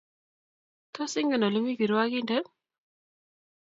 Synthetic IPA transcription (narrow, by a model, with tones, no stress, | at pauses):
t̪o˦sɪ˦ŋɡə˨nɔ˨lu˦mi˦bi˨ɾwa˦ki˦ndə˦